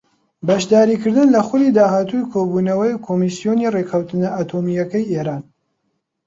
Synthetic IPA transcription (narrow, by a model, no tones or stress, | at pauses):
bɐʃd̪aːɾiːkɨɾd̪ɨnlɐxʊlid̪aːhaːt̪ujkʰobuːnɐwɐjkʰomisijonirekʰɐwt̪ɨnɐʔaːt̪ʰoːmijɐkɐjeːɾaːn